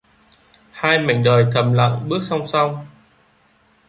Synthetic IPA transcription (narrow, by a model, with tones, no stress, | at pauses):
haː˧jma̰˧˨ŋɗəː˨˩jk̪ə˨˩mla̰˧˨ŋɓɨ˦˥ək̚sa˧wŋ͡msa˧wŋ͡m